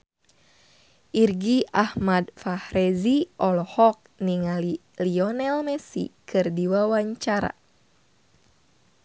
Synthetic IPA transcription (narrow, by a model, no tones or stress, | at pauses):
ʔirɡiahmadfahɾɛziʔɔlɔhɔk̚niŋali | liɔnɛlmɛsḭkʰɨrdiwawaɲt͡ʃaɾa̰